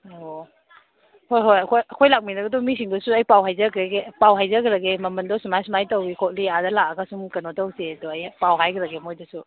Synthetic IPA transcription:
o | hojɦojɐkʰojɐkʰojlak̚minɐɡɐdɔmisiŋdɐsuɐjpawɦajzɐkɾeɡepawɦajzɐkɾɐɡemɐmɐndɔsumajsumajtɐwikʰot̚liadɐlak̚ɐɡasuŋkɐnotɐwsedɔɐjpawɦajɡɾɐɡemojdɐsu

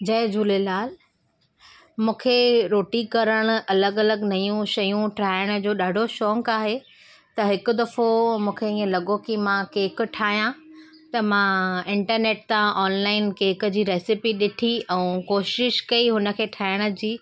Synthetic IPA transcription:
d͡ʑɐɦd͡ʑuːlelaːl | mũːkʰeɾoːʈikɐɾəɽ̃ʊ̆ʔɐləɡɐləɡnɐjũʃɐjũʈaːɪɽ̃̆d͡ʑoːɗaːɖʱoʃɔːŋkaːɦe | t̪ɐɦɪkʊ̆d̪ɐfomũːkʰeĩːẽlɐɠokimãkeːkʈʰaːɦijã | t̪ɐmãɪ̃ɳʈəɾneːʈt̪ãɔːnlaːɪnkeːk̆d͡ʑiːɾeːsɪpiɗɪʈʰiɛ̃ːkoːʃɪʃkɐiɦʊnə̆kʰeːʈʰaːɪɽ̃ʊ̆d͡ʑiː

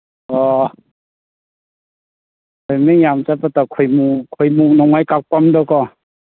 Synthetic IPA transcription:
ɔ | kʰɔjmijamt͡ʃapat̪akʰɔjmukʰɔjmunɔŋajkak̚pɔmdɔkɔ

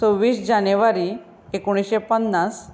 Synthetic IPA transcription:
owːiːsd͡ʑanjeʋaɾi | ekoɽ̃isɕepənːas

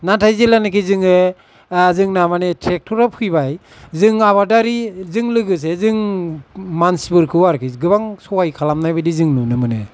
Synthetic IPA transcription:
natʰajzelanɯkʰizɯŋɯ | zɯŋnamanetʰɾek̚tʰɔɾap̚ʰɯjbaj | zɯŋaβadaɾizɯŋlɯɡɯs̬ezɯŋ | mansbɯɾkʰɯwaɾkʰiɡɯbaŋsɔwajkʰalamnajbɯdizɯŋnunɯmɯnɯ̰

